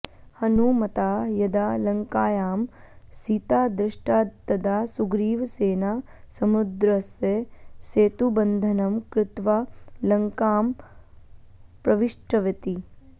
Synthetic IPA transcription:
hɐnumɐt̪aːjɐd̪aːlɐŋkaːjaːm | siːt̪aːd̪ɾɪʂʈaːt̪ːɐd̪aːsuɡɾiːʋseːnaː | sɐmud̪ɾɐsjeseːt̪ubɐnd̪ʱɐnɐmkɾɪt̪ʋalɐŋkaːm | pɾɐʋiʂʈɐʋɐt̪i

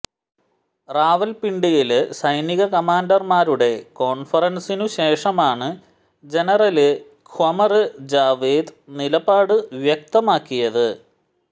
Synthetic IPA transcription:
raːʋɐlpiɳɖijilsɐjniɣɐkɐmaːndɐrmaːɾuɽe̞ko̞ːɳfɐrɐnsinuɕe̞ːʂɐmaːɳɨ | d͡ʑe̞nɐrɐlɨ | kʰwɐmɐrɨd͡ʑaːʋiːd̪nilɐbaːɽɨʋjɐk̚t̪ɐmaːkːijɐðɨ

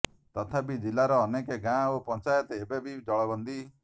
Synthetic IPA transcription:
t̪ɔt̪ʰapid͡ʒilaɾɔːnekeɡãopɔnt͡ʃajɔt̪ebebʱid͡ʒɔɭɔbɔnd̪i

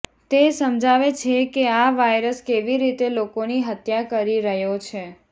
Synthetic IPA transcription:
t̪esəmd͡ʒaʋet͡ʃʰekeaʋajɾəskeʋiɾit̪elokoniɦət̪jakəɾiɾəɦjot͡ʃʰe

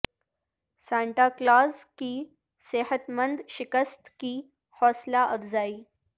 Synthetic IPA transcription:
sãɳʈaklaːskiː | sehət̪mənd̪ʃɪkəst̪kiː | hɔːslaʔəfzaːiː

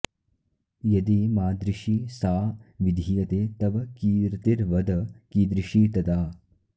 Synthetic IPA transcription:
jɐd̪imaːd̪ɾiʃisaːʋid̪ʱijɐt̪eːt̪ɐbɐkiːɾt̪iɾʋɐd̪ɐkiːd̪ɾiʃiːt̪ɐd̪aː

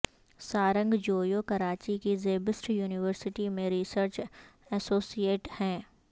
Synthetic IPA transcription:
saːɾə̃ŋɡd͡ʒoːjoːkɐɾaːt͡ʃikizeːbɪsʈjuːnɪʋəɾsɪʈimẽɾisəɾt͡ʃɛsoːsieːʈhɛ̃ː

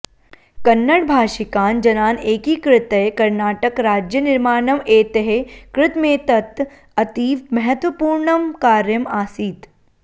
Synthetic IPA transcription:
kɐnːɐɽbʱaːʃɪkaːnd͡ʒɐnaːneːkikɾɪt̪əjkɐɾnaːʈɐkɾaːd͡ʒjənɪɾmaːnɐmeːt̪ɐɦekɾɪt̪mẽːt̪ɐt̪ | ɐt̪iːʋmɐɦɐt̪ʋɐpuːɾɳɐmkaːɾjɐmaːsiːt̪

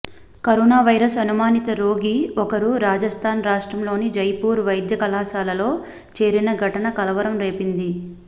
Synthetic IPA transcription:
kɐɾɔːnaːʋɐjɾɐsɐnumaːnit̪ɐɾo̞ːɡiɔkɐɾuɾaːd͡ʒɐst̪ʰaːnɾaːʂʈɾɐmlo̞ːnid͡ʒɐjpuːɾʋɐjd̪jɐkɐlaːsaːlɐlo̞ː | t͡ʃe̞ːɾinɐɡʱɐʈɐnɐkɐlɐʋɐɾɐmɾe̞ːpind̪i

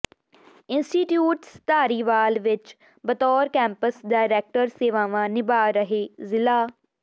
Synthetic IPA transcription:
ɪnsʈiːʈjuːʈst̪aːɾiːʋaːlʋɪt͡ʃ | bət̪ɔːɾkɛ̃ːmpəsɖaːɪɾɛːk̚ʈəɾseːʋãːʋãːnɪbaːɾəɦeːzɪlaː

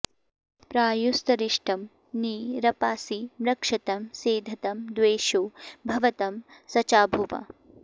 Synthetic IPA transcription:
pɾaːjust̪ɐɾiʂʈɐm | niːɾɐpaːsimɾɐkʂɐt̪ɐmseːd̪ʱɐt̪ɐmd̪ʋeːʃoːbʱɐʋɐt̪ɐmsɐt͡ʃaːbʱuʋɐ̰

